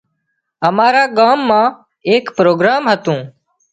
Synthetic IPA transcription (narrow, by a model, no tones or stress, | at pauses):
əmaːɾaːɠaːmːãː | eːkpɾoːɡɾaːmɦət̪ũː